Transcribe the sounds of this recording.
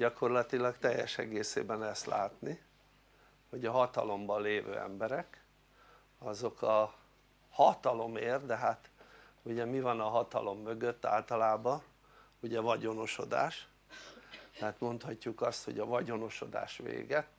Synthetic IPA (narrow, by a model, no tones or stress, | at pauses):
ɟɒko̞rlɒt̪ilɒɡt̪ɛjːɛʃɛɡeːsḛːbɛnɛst̪laːt̪ni | ho̞ɟɒɦɒt̪ɒ̰lo̞mbɒleːvø̰ːɛ̰mbɛɾɛk | ɒzo̞kɒ | hɒt̪ɒlo̞meːrd̪ɛɦat̪uɟɛmivɒnɒɦɒt̪ɒ̰lo̞mːø̞ɡøt̪ːa̰ːlt̪ɒlaːbɒ | uɟɛvɒɟo̞no̞ʃo̞d̪a̰ːʃ | t̪ɛaːt̪mo̞nt̪hɒcːukɒst̪ho̞̰ɟɒvɒɟo̞no̞ʃo̞̰d̪a̰ːʃʋḛːɡɛt̪